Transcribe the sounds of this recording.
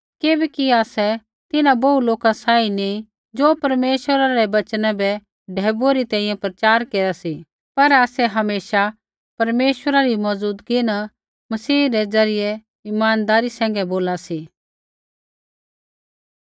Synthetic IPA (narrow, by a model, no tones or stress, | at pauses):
keːbɛkiaːsɛ | t̪ɪnãbɐuloːkasaːinẽ | d͡ʒoːpɐɾmeːʃwəɾaɾɛbɐt͡ʃnãbɛ | ɖʱɛːbueɾit̪ɛ̃ːĩjɛ̃pɾɐt͡ʃaːɾkeːɾasi | pɐɾaːsɛɦɐmeːʃa | pɐɾmeːʃwəɾaɾimɔzuːd̪kɪna | mɐsiːɾɛd͡zɐɾɪjɛ | ɪmaːnd̪aːɾisɛ̃ːŋ̆ɡɛboːlasi